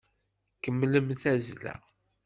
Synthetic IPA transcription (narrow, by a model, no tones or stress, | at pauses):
kəmːləmθæzlæ̰